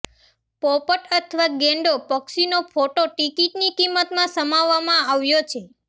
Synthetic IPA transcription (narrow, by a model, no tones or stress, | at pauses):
pɔpəʈət̪ʰʋaɡɛ̃ɳɖopɔksinopʰoʈoʈikiʈnikimːət̪mãsəmaʋːamãaʋjot͡ʃʰe